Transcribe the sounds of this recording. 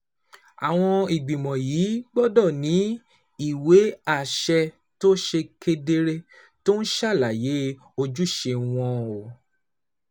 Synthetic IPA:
a̰˨w̃ɔ̃˧i˨ɡ͡bĩ˨mɔ̃˨jiː˨˦ɡ͡bɔ˦dɔ˦˨nĩ˨˦ | i˦˨we˨˦a˦˨ʃɛ˧ | to˦ʃe˧ke˧de˧ɾe˧ | to˦ñ̩˦ʃa˦˨la˨je˨˦ | o˧d͡ʒu˦ʃe˧w̃ɔ̃˧o˨

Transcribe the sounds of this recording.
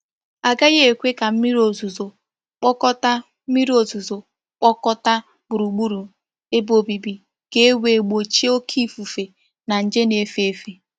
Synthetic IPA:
a˨ɡa˦je˦e˨kʷe˦ka˨m̩˦mi˦ɾi˦o˨zu˨zo˨ | k͡pɔ˦kɔ˦ta˦ | mi˦ɾi˦o˨zu˨zo˨ | k͡pɔ˦kɔ˦ta˦ | bʊ˨ɾu˨ɡ͡bu˦ɾu˨ | e˦bo˨bi˨bi˨ | ɡe˦e˦we˨ɡ͡bo˨t͡ʃi˦o˦kʰi˦fu˨fe˨ | na˨n̩˨d͡ʒe˦ne˨fe˦˨fi˦

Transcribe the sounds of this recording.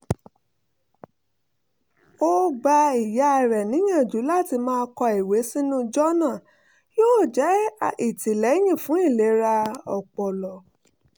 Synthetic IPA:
o˦ɡ͡ba˧i˨ja˨˧˨ɾɛ˨nĩ˨˦jã˦˨d͡ʒu˨˦la˦˨ti˧mãː˦˧kɔ˧i˨we˨˦sĩ˦nũ˦d͡ʒɔ˦nã˦˨ | joː˦˨d͡ʒɛ˨˦i˨ti˨lɛ˨˦j̃ĩ˦˨fũ˨˦i˦˨le˨˦ɾa˧ɔ̰˨k͡pɔ˨lɔ˨

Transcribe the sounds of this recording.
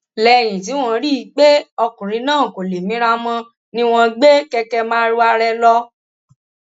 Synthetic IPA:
lɛ˧˨j̃ĩ˨t̬i˨˦w̃ɔ̃˧ɾi˦˨˧k͡pe˦ɔ˧kũ˨ɾ̃ĩ˧˦nãː˦˨ko˨le˨mĩ˨˦ɾa˧mɔ̃˦ | nĩ˦w̃ɔ̃˧ɡ͡be˦kɛ˧kɛ˧mãː˦ɾu˦a˧ɾɛ˧lɔ˧

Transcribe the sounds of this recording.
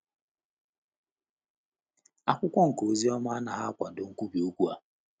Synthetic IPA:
a˦kʷʊ˦kʷɔ˦ŋ̩˨ko˨zi˦ɔ˦ma˦a˦na˨ɦa˦kʷa˨do˨ŋ̩˦kʷu˦bi˨u˦kʷu˦a˨

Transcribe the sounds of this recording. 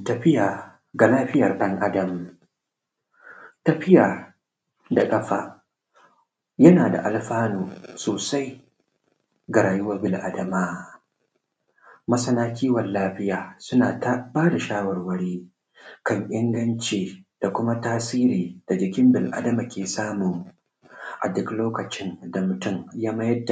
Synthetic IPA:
tɐ˨ɸɪ˦jaː˨ | ɡa˨laː˦ɸɪ˦jɐ˨rɗɐ˦ŋʔa˦dɐ˨m | tɐ˨ɸɪ˦jaː˨ | da˨kʼɐ˦ɸa̰ː˦ | jɐ˦naː˨da̰˨ʔa˨lɸaː˦noː˨soː˨sa˦j | ɡa˨ɾaː˨jʊ˦wɐ˦rbɪ˨lʔa̰˨˦dɐ˨maː˦ | mɐ˦sɐ˦naː˦kʲiː˦wɐ˨nlaː˦ɸɪ˦jaː˨sʊ˦naː˨ta˦baː˦da˨ʃaː˦wɐ˨rwɐ˦ɽeː˦ | kɐ˦˨ŋʔɪ˦ŋɡɐ˦nt͡ʃeː˨d̥a˨kʷʊ˦ma˦taː˦siː˦ɾiː˨d̥a˨d͡ʒɪ˨kʲɪ˦mbɪ˨lʔa̰˦dɐ˦ma˨kʲeː˨saː˦mʊ˨ŋ | ʔa̰˨dʊ˦kloː˦kɐ˨t͡ʃɪ˦nda˨mʊ˨tʊ˦mjaː˦mɐ˦jɐ˦dːa˨

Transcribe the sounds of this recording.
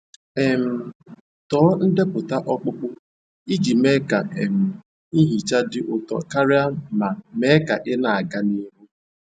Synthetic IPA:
e˨m̩˨ | tɔː˨˦n̩˦de˦pʊ˨ta˦ʔɔ˦k͡pʊ˦k͡pʊ˦ | i˦d͡ʒi˨me˦ka˨e˨m̩˨ | i˦ɦi˨t͡ʃa˦dɪ˦ʔʊ˨tɔ̰˨ka˦ɾɪ˦a˦ma˨me˦ka˨ʔɪ˦na˨a˨ɡa˦ni˦ɦu˦

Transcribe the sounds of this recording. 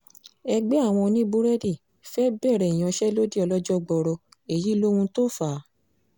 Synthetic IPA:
ɛ˧ɡ͡bɛ˦a˦˨w̃ɔ̃˧nĩ˦bu˦ɾɛ˦di˦˨ | fɛ˦bɛ˦˨ɾɛ˨i˨j̃ã˨˧ʃɛ˦lo˦di˦ɔ˧lɔ˦d͡ʒɔ˦ɡ͡bɔ˧ɾɔ˧e˨ji˨˦lo˦hũ˧to˦fa˨˦

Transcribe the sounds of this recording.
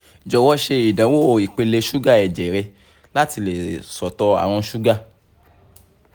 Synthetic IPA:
d͡ʒɔ˨wɔ˦ʃe˧i˨dã˨˦wo˦o˨i˨k͡pe˧le˧ʃu˦ɡa˦˨ɛ˨d͡ʒɛ˨˦ɾe˧ | la˦ti˧le˨sɔ˨tɔ˧a̰˨w̃ɔ̃˧ʃu˦ɡa˦˨

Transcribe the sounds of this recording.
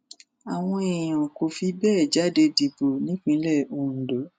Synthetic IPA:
a˨w̃ɔ̃˧e˨j̃ã˨ko˨fi˧bɛː˦˨d͡ʒa˨˦de˧di˨bo˨nĩ˨˦k͡pĩ˦lɛ˦˨õ˧˨dɔ˨˦

